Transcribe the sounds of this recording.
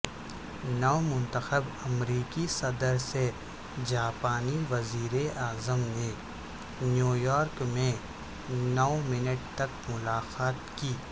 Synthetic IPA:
nɔːmʊ̃nt̪əxəbɐmɾiːkisɐd̪əɾse | d͡ʒaːpaːniʋɐziːɾeaːzəmne | njuːjɔːɾkmẽ | nɔːmɪnəʈ̚t̪ɐk̚mʊlaːxaːt̪kiː

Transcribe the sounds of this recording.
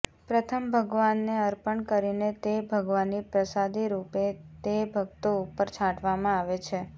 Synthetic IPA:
pɾət̪ʰəmbʱəɡʋanːeəɾpəɳkəɾinet̪ebʱəɡʋanːipɾəsad̪ʱiɾupet̪ebʱəɡ̚t̪oupəɾt͡ʃʰãʈʋamãaʋet͡ʃʰe

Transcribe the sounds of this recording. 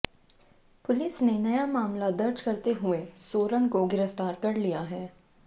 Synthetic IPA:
pʊlɪsnenɐjamaːmlad̪ɐɾd͡ʒkɐɾt̪eɦʊesoːɾənkoɡɪɾəft̪aːɾkɐɾlijaɦɛː

